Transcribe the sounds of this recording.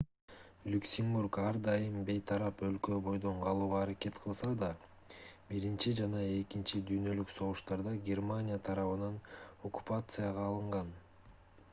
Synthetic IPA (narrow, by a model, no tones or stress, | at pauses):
lʲuksʲɪmburkɑɾd̪ɑjɯmbe̞jt̪ʰɑɾɑpø̞lkø̞bo̞jd̪o̞ɴqʰɑlˠuːʁɑːɾake̞t̪qʰɯlˠsɑd̪ɑ | biɾint͡ʃid͡ʒɑnɑe̞kint͡ʃid̪yːnø̞lykso̞ʁuʃt̪ɑɾd̪ɑɡʲe̞rmanʲɪjat̪ʰɑɾɑβɯnɑno̞ku̥pat̪sɨjaʁɑːlˠɯɴʁɑn